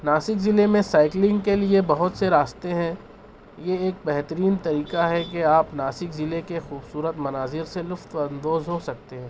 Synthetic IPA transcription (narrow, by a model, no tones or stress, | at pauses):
naːsɪkzɪlemẽsaːɪklɪ̃ŋɡkeliebɐɦʊt̪seɾaːst̪eɦɛ̃ː | jeeːk̚bɛɦt̪əɾiːnt̪ɐɾiːkaɦɛkeaːpnaːsɪkzɪlekexuːbsuːɾət̪mɐnaːzɪɾselʊft̪ɐ̃nd̪oːzɦosɐk̚t̪eɦɛ̃ː